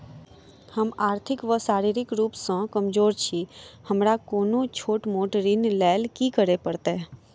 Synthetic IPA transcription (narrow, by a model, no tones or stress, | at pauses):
həmaːɾt̪ʰɪkʋəsaːɾiːɾɪkɾuːpsãkəmd͡ʒoːɾt͡ʃʰihəmɾakoːnõt͡ʃʰoːʈmoːʈəɾiːnlɛːlkikəɾepəɾt̪e